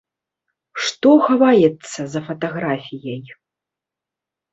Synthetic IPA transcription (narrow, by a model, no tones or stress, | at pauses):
ʂt̪ɔxavajɛt̪sːɐzɐfɐt̪aɣɾafʲijɐj